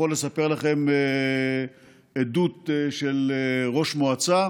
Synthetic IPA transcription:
olːesapeʁlaχe̞me | ed̪ut̪ʃeleʁo̞ʃmoat͡sa

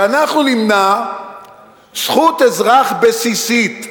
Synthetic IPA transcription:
anaχnunimna | sχut̪ezʁaχbesisit̪

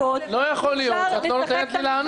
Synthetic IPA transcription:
lo̞jaχolijo̞t̪ʃeat̪oɾt̪elet̪lilaːn

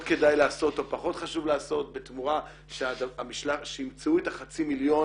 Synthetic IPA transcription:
tke̞dajlaːso̞to̞paχo̞tχaʃuvlaːso̞t̚be̞tmuʁa | ʃeadamiʃlaʃeimt͡seuetaχat͡similjo̞

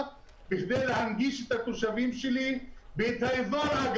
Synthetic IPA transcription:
biʃd̪ejlehanɡiʃet̪hatoʃavimʃelibet̪haizoɾaɡ

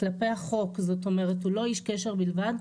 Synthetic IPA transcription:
klape̞jhaχo̞kzot̪o̞me̞ʁetulo̞iʃkeʃe̞ʁbilvad̪

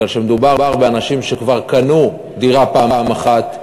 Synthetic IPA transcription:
alʃemed̪ubaʁbaʁbeanaʃimʃekvaʁkanu | d̪iʁapaːamaχat̪

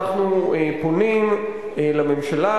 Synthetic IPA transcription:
χnueponim | lamemʃala

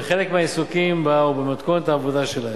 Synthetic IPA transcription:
eχele̞kmeaesukimbaubemat̪konet̪aːvo̞d̪aʃe̞lae

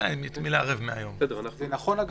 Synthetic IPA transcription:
ajnit̪mileaʁevmeajo̞mɛd̪eanazenaχo̞naɡ

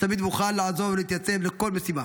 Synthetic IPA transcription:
t̪amid̪buxalːaʕazovlit̪jat͡sːemlɪkolmɪsiːma

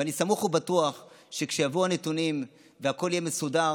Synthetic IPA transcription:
anisamuχubatuaχ | ʃekʃejavuanet̪unim | veako̞ljemesuda

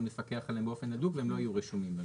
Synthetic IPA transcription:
mlefake̞aχalembeofe̞nːad̪uɡveemlo̞ajuʁiʃumimba

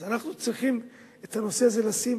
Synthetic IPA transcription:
zanaχnut͡sʁiχim | et̪ano̞se̞aze̞lasim

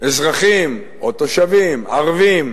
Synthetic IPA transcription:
ezʁaχim | ot̪oʃavimaʁvim

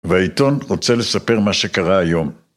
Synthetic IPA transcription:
veait̪o̞nʁot͡sele̞sape̞ʁmaʃe̞kaʁaːjo̞m

